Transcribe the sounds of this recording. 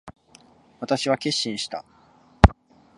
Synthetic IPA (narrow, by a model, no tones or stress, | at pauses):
βat̪aɕiβakʲe̞ɕːĩɰ̃ɕi̥t̪a̰